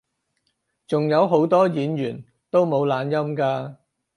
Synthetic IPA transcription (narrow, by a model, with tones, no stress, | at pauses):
t͡sʊ˨ŋjɐ˨˧wɦo˨˥wt̪ɔː˥jiː˨˥njyː˨˩n | t̪o˥wmo˨˧wlaː˨˧njɐ˥mkaː˧